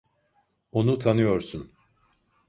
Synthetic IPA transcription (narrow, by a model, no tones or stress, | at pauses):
o̞nut̪ʰanɯjo̞ɾsun